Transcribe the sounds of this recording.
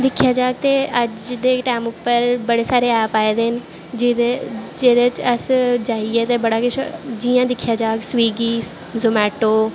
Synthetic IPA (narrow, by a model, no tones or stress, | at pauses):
d̪ɪkʰijaːd͡ʒaːɡ̚t̪eɐd͡ʒd̪eːʈaːmʊpːəɾbɐɽesaːɾeɛːpaːed̪eɦɪnɪ | d͡ʒed͡ʒeːd̪et͡ʃɐsd͡ʒaːɦiɛt̪ebɐɽakɪʃd͡ʒijãd̪ɪkʰijad͡ʒaːɡsʋiːɡiː | zomɛːʈoː